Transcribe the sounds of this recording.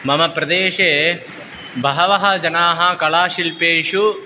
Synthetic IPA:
mɐmɐpɾɐd̪eːʃeː | bʱɐɦɐʋɐɦɐd͡ʒɐnaːɦɐkɐɭaːʃilpeːʂu

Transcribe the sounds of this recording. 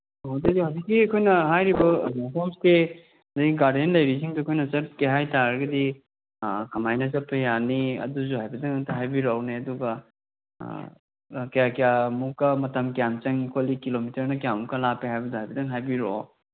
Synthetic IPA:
ɦawdediazikːiɐkʰojnɐɦajɾibɐapʰomste | zajɡiɡaɾdentlɐjɾisiŋduɐkʰojnɐsɐp̚keɦajtaɾɐɡɐdi | kʰɐmajnɐzɐpʰɐjaniɐ̰duzuɦajbɐdɐŋtɐɦajbiɾawneɐduɡɐ̰ | kɐjakijamukɐmɐtɐmkjamt͡ʃɐŋikʰolikilomitɐɾnɐkjamukɐlapeɦajbɐduhajbɐdɐŋɦajbiɾo

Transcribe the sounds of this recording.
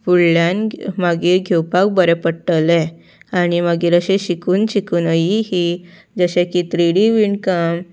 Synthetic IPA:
fuɽljanmaɡiːɾɡʱewpak̚bəɾɛpəɽʈəlɛ | añimaɡiːɾəɕẽɕikuːnɕikuːnəjiɦi | d͡zəɕẽkit̪ɾiɽiʋiɳkəm

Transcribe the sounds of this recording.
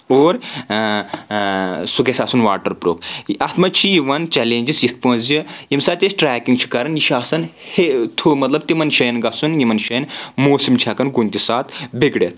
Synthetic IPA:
oːɾ | suɡesaːsunʋaːʈɐɾpɾo̰ːpɐt̪mɐt͡ʃʰijiʋɐnt͡ʃɛleːnʲd͡ʒisjit̪̚pɐ̃ːnzjijimsaːt̪esʈɾaːkiŋɡt͡ʃʰi̥kɐɾɐnjiʃaːsɐnhet̪ʰumɐt̪lɐb̚t̪imɐnʃɐjɐnɡɐsunjimɐnʃɐjnmoːsimt͡ʃʰʲɐkɐnɡunʲt̪isaːt̪beɡɽet̪̚

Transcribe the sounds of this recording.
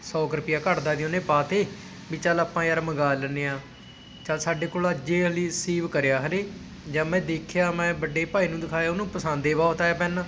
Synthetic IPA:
sɔːkɾəpɪjaːkəʈd̪aːd̪iõːnẽːpaːt̪eː | biːt͡ʃalaːpãːjaːɾməɡaːləneːãː | t͡ʃaːlsaːɖeːkoːlaːd͡ʒeːɦəliːsiːʋkəɾjaːɦəleː | d͡ʒãːmɛ̃ːd̪eːkʰjaːmɛ̃ːbəɖeːpaːiːnũːd̪ɪkʰaːjaːʊnũːpəsãːnd̪eːʋaːt̪aːjaːpɛːnãː

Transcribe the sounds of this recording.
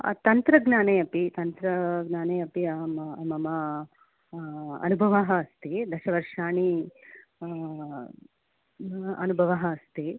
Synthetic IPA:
t̪ɐnt̪ɾɐɡnaːneːɐpit̪ɐnt̪ɾɐɡnaːneːɐpiɐmmɐmɐ | ɐ̰nubʱɐʋaɦɐːst̪id̪ɐʃɐʋɐɾʂaːɳi | ɐ̰nubʱɐʋɐɦɐɐst̪i

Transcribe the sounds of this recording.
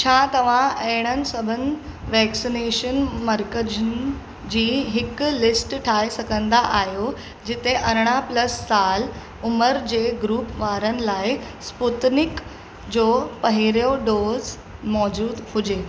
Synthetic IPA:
t͡ɕʰat̪ɐʋ̤ãeɽ̃ənsəbʱənʋɛksineʃənməɾkəd͡ʑən | d͡ʑiːɦɪklɪsʈʈʰaisəkə̃nd̪aʔaɦjo | d͡ʑɪt̪eʔəɾɽ̃apləsːal | ʊməɾd͡ʑeɡɾuːpʋaːɾənlaːi | sput̪nɪk | d͡ʑopəɦiɾjoɖoːz | mɔːd͡ʑuːd̪hud͡ʑe

